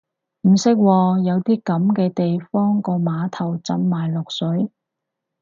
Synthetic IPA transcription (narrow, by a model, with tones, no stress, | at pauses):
m̩˨˩sɪ˥k̚wɔː˧jɐ˨˧wt̪iː˥kɐ˨˥mkɛː˧t̪e˨jfɔː˥ŋkɔː˧maː˨˧t̪ʰɐ˨˩wt͡sɐ˧˥nmaː˨˩jlʊ˨k̚sɵ˨˥ɥ